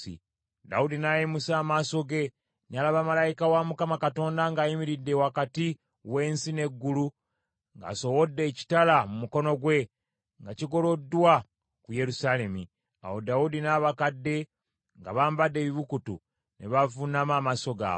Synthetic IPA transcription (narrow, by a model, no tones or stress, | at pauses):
ḭ | da̰udinajemusaːmaso̞ɡe̞ | nalaβamalajikawamukamakato̞ːndaŋɡaːjimiɾidːe̞wakati | we̞ːnsine̞ɡːulu | ŋɡa̰ːso̞wodːe̞ːci̥talamumuko̞no̞ɡwe̞ | ŋɡaciɡo̞lo̞dːwa | kuje̞ɾusale̞mi | a̰ho̞daudinaːβakadːe̞ | ŋɡa̰βaːmbadːe̞ːβiβukutṵ | neβavunamaːmaso̞ɡa̰